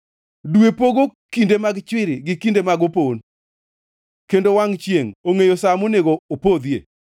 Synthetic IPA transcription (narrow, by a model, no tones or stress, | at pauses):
dwepoɡokindemaɡt͡ʃwɪɾɪɡɪkindemaɡopon | kendowaŋt͡ʃjeŋoŋejosamoneɡoopod̪jḛ